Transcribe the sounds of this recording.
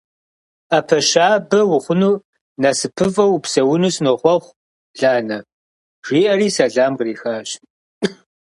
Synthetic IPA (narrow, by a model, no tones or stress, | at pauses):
aːpʰɐʃaːbɐwʊχʷʊnuː | nasɨpʰɨfʼɐwpsɐwʊnuːsnɨʁʷɔχʷ | ɮaːnɐ | ʒ̥iːʔɐriːsɐɮaːmɡriːxaːɕ